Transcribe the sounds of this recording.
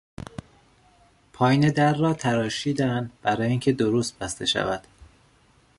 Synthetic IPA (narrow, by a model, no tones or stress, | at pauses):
pʰɒːjined̪æɾːɒːt̪ʰæɾɒːʃiːd̪ænd̪b̥æɾɒːjiːŋcʰe̞d̪oɾost̪̚b̥æst̪e̞ʃæ̰væd̪̥